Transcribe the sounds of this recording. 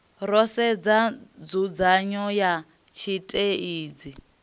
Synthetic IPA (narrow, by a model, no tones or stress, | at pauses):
rɔsɛd͡zad͡zud͡zaɲɔja | t͡ʃʰitʼeiːd͡zi